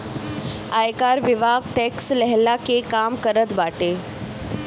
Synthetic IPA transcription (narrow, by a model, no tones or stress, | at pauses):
ajkaɾʋɪʋaɡʈɛkslɛɦlakekamkəɾət̪baʈe